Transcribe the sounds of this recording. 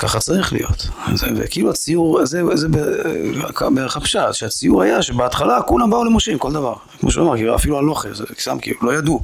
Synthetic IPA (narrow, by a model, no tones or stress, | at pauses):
kaχat͡saʁiχlḭjo̞̰t̪zevḛkiluat͡sijuʁzezebekabeχapʃaʃeat͡sijuʁajaʃebeat̪χalakunabaulemoʃimko̞ld̪avaʁkmo̰ʃṵamaʁkilua̰filualo̞χezest̪a̰mkḭlulo̞jad̪u